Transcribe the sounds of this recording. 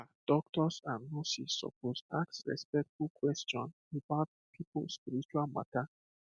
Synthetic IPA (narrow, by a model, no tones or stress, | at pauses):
ad̪̥okt̪osanusiso̰puzaksɾḛspek̚t̪ukwest̪ɔn | ipat̪ | t̪ipuspiɾit͡ʃuama̰t̪a